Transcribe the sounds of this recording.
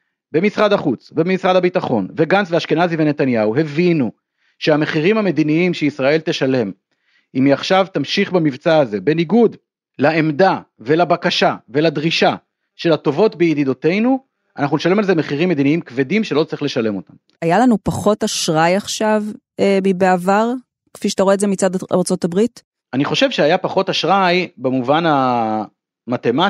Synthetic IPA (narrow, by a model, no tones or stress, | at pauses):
be̞misʁadaχut͡sbebemisʁadabitaχo̞̰nveɡansveaʃkenazivene̞t̪anjauɦe̞vinu | ʃeame̞χiʁimhame̞d̪iniimʃeisʁae̞lt̪e̞ʃale̞m | imiaχʃavt̪amʃiχbamivt͡saːze̞be̞niɡud̪ | laemd̪ave̞labakaʃavelad̪ʁiʃa | ʃe̞lato̞vo̞tbejid̪id̪o̞te̞jnu | ʔanaχnuneʃale̞malze̞me̞χiʁimːe̞d̪iniimkvedimʃelo̞t͡sʁiχleʃale̞mo̞tam | ajalanupaχo̞taʃʁajaχʃav | emibeavaʁ | kfiʃetaʁoezemit͡sadaʁt͡so̞tabʁit | aniχo̞ʃe̞vʃeajapaχo̞taʃʁajbemuvana | mat̪e̞ma